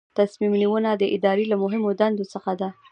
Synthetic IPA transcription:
t̪asmimniwənad̪əʔɪd̪ɑɾelamʊɦɪmod̪and̪osəxad̪a

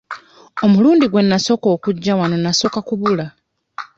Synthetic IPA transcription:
o̞muluːndiɡwe̞nːaso̞ko̞ːkuɟːawano̞naso̞kakuβula

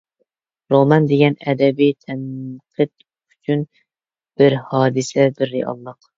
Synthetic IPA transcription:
ɾomɑnd̪eɡʲɛnɛd̪ɛbit̪ʰɛmqʰɨt̪ | yt͡ʃʰyn | b̥ɪɾhɑːd̪ɨsɛbɪɾːeɑ̰lˠːəq

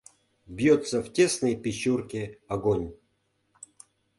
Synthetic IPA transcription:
bʲjot̪sɐvtʲe̞snɨjpʲɪɕurkʲeaɡonʲ

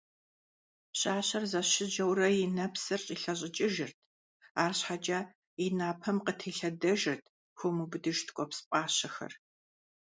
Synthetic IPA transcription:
ɕʼaːɕɐrzɐɕɪʒɐwrɐjɪnɐpsɐrɕʼiɬɐɕ̬ʼɪt͡ʃʼɪʒɪrtʰ | aːrɕħad͡ʒʼɐ | inaːpʰɐmqətʰeːɬɐdɐʒɨrtʰ | xʷomubɨdɨʒtʰkʷʼɔpspʼaːɕɐxɐ̰r

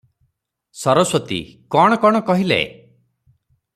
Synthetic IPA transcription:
sɔɾɔswɔt̪ḭkɔɽ̃ɔkɔɽ̃ɔkɔɦilḛ

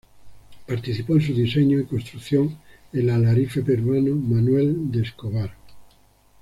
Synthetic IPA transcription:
paɾt̪iθipoensuðiseɲoikonst̪ɾuθjoŋ | elalaɾifepeɾwanomanweld̪eskoβaɾ

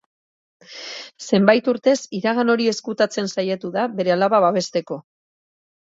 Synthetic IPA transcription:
se̞mbajt̪uɾt̪e̞siɾaɣano̞ɾie̞skut̪at͡se̞nsajet̪uðaβe̞ɾe̞alaβaβaβe̞st̪e̞ko̞

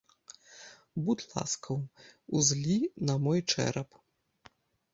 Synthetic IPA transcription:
but̪lˠa̰skʰɐwuzlʲinɐmɔjt͡ʂɛ̰ɾɐp

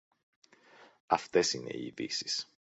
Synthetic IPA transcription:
ɐft̪e̞sine̞̰iðḭsi̥s

